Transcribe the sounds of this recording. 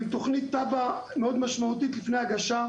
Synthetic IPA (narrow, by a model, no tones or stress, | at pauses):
it̪o̞χnit̪ːabameo̞d̪maʃmaut̪it̪lifnejaɡaʃa